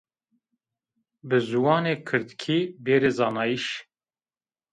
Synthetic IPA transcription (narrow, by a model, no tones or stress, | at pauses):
bɨzuwɑːneːkʰɨɾd̪kʰiːbeːɾeːzɑːnɑːjiʃ